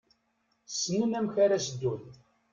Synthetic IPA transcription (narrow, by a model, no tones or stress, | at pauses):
sːnəmæmçaɾæsəd̪ːun